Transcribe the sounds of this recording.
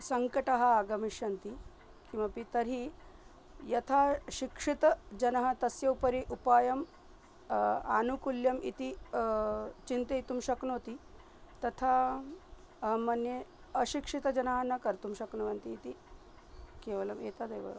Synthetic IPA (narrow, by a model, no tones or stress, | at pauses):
sɐŋkəʈɐɦɐaɡɐmiɕɐnt̪i | kĩw̃ʋapit̪əɾi | jɐt̪ʰaɕikʂit̪d͡ʑɐnɐɦɐt̪ɐsjɐupəɾiʔupajɐm | a̰nukuljɐmit̪i | t͡ɕint̪eit̪umɕɐknot̪i | t̪ɐt̪ʰa | manje | əɕikʂit̪əd͡ʑɐnɐɦanːakɐɾt̪umɕɐknoʋɐnt̪iːt̪i | keʋɐlɐmet̪ʰad̪ejʋə̰